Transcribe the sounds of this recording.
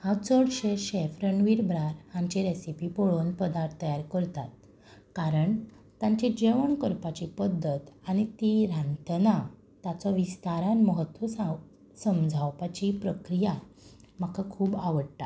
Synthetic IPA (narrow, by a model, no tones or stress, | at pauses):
hat͡səɽɕeɕefɾəɳʋiɾbɾaɾhãɲt͡ɕiɾesipipoɭonpəd̪aɾt̪ʰːəjaɾkəɾt̪at̪̚ | kaɾəɳ | t̪jãɲt͡ɕid͡ʑeʋəɳkəɾpat͡ɕipəd̪ʱːət̪aɽ̃it̪iɾãnt̪na | t̪at͡sɔʋist̪aɾãnməɦət̪ʋəsa | səmd͡zʱawpat͡ɕipɾəkɾija | m̤akakʰuːbaʋəɽt̪a̰